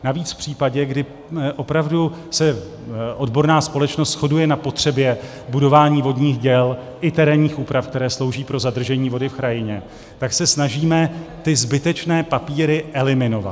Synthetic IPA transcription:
naviːt͡sfpr̝̥iːpaɟɛɡdɪ | ʔo̞pɾavdu | sɛ | ʔo̞dbo̞ɾnaːspo̞lɛt͡ʃno̞st̪sxo̞dujɛnapo̞t̪r̝̥ɛbjɛ | budo̞vaːɲiːvo̞dɲiːxɟɛl | ʔɪt̪ɛɾɛːnɲiːxʔuːpɾafk̚t̪ɛɾɛːslo̞wʒiːpɾo̞zad̪r̩ʒɛɲiːvo̞dɪfkɾajɪɲɛ | t̪aksɛsnaʒiːmɛt̪ɪzbɪt̪ɛt͡ʃnɛːpapiːɾɪʔɛlɪmɪno̞va̰t̪

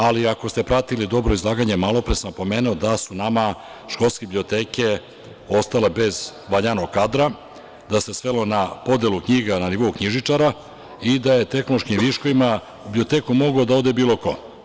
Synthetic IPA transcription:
aliako̞st̪e̞pɾat̪ilid̪o̞bɾo̞izlˠaːɡaɲe̞malˠo̞pɾesampo̞me̞ːnuod̪asunama | ʃko̞lˠskeblio̞t̪eːke̞ | o̞st̪ale̞be̞zʋaɲano̞ɡkad̪ɾa | d̪ase̞sʋe̞lo̞napo̞d̪e̞lˠukɲiːɡananiʋo̞ukɲiʒit͡ʂaɾa | id̪aje̞t̪e̞knloʃkimʋiʃko̞ʋima | bliot̪eːkumo̞ɡod̪aod̪e̞biːlˠo̞ko̞̰

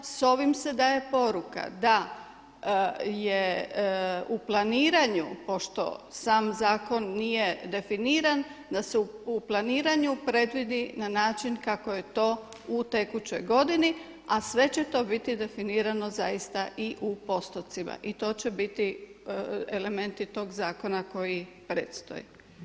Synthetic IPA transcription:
so̞ʋimse̞d̪aje̞po̞ɾuka̰d̪a | je | uplˠaniːɾaɲupo̞ʃt̪o̞̰saːmzaːko̞nːije̞d̪e̞finiːɾand̪aseuuplˠaniːɾaɲupɾe̞d̪ʋid̪inanaːt͡ʃinkako̞je̞t̪o̞ː | ut̪e̞kut͡ɕo̞jɡo̞d̪ini | asʋe̞t͡ɕet̪o̞bit̪id̪e̞finiːɾano̞zaist̪aʔiʔupo̞st̪ot̪sima̰ʔit̪o̞ːt͡ɕebit̪i | ele̞me̞nt̪it̪o̞ːɡzaːko̞nako̞ji | pɾeːt̪st̪o̞̰ji

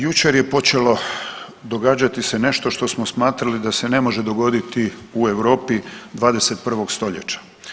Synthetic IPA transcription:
jut͡ʃe̞ɾjepo̞t͡ʃe̞lo̞ | d̪o̞ɡaːd͡ʒat̪isene̞ʃt̪o̞ʃt̪o̞smosmaːt̪ɾalid̪ase̞ne̞mo̞ʒe̞d̪o̞ɡo̞d̪it̪iue̞ʋɾo̞ːpid̪ʋaːd̪e̞se̞t̪̚pr̩ʋo̞ɡst̪o̞ʎḛt͡ʃḁ

